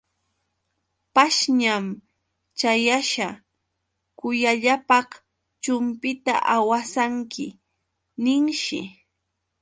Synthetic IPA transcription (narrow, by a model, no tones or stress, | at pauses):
paʃɲam | t͡ʃajaʃa | kʊjaʎapɑχ | t͡ʃʊmpɪt̪a̰ʔawasaŋkɪ̰ | nɪŋʃɪ̰